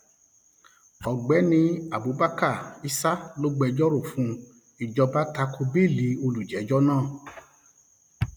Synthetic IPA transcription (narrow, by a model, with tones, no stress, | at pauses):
ɔ˨ɡ͡bɛ˨˦nĩ˧a˨bu˨˦ba˦ka˦˨i˧sa˦lo˦ɡ͡bɛ˧d͡ʒɔ˦ɾo˦˨fũ˧ | i˦˨d͡ʒɔ˧ba˦ta˧ko˧be˦˨li˨˦o˧lu˨d͡ʒɛ˨˦d͡ʒɔ˦nãː˦˨